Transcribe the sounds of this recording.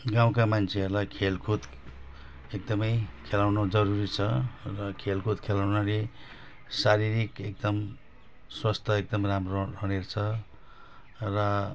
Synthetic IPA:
ɡaw̃kamant͡sʰeʌrlajkʰelkʰut̪ | ek̚d̪ʌmʌjkʰelawnod͡zʌɾuɾit͡sʰʌrʌkʰelkʰut̪kʰelawnale | saɾiɾikek̚d̪ʌm | swast̪ʰʌek̚d̪ʌmramroɾʌnert͡sʰʌ | rʌ

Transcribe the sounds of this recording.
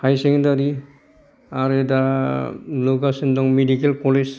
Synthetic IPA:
hajsekndaɾi | aɾeda | loɡasindɔŋmedikelkɔles

